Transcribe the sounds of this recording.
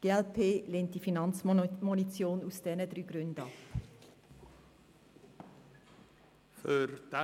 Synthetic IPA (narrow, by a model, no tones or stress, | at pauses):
ɡ̥eːɛlpʰeːleːnt̚d̥ifinɑnt͡smonit͡sjoːnusd̥ɛnəd̥̪ɾyːɡ̥ɾʏndɑp | fyd̥a